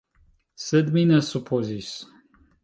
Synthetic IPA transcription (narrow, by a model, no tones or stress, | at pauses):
səd̪minəsupʰozis